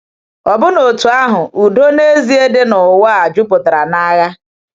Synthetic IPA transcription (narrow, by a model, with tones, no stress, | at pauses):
ɔ˨bʊ˦no˨tu˨a˦ɦʊ˨ʔu˨do˦ne˦zi˦e˦de˦nʊ˨wa˦a˨d͡ʒʊ˦pʊ˨ta˨ɾa˨na˦ɣa˦